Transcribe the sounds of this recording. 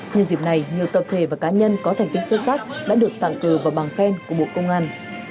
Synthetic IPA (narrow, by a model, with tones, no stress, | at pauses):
ɲɨ˧nzḭ˧˨˩na˨˩jɲi˨˩əwt̪ə˨˩p̚t̪ʰe˧˩vaː˨˩kaː˨˦ɲə˧nkɔ˨˦t̪ʰa˨˩ŋ̟t̪i˨˦˥k̚sə˧t̚saː˦˥k̚ɗa̰ː˧˥ɗɨ˨˩ək̚t̪a̰ː˧˨ŋkɨ˧˩vaː˨˩wɓaː˨˩ŋfɛ˧nku˧˩əɓo̰˧˨kə˧wŋ͡mʔaː˧n